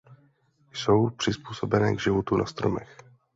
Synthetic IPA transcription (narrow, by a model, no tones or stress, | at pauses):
jso̞wpr̥ɪspuːso̞bɛnɛːɡʒɪvot̪una̰st̪ɾomɛ̰x